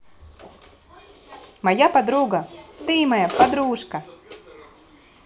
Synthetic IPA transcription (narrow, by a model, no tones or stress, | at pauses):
majapad̪ɾuːɡat̪iːmajapad̪ɾuːʃka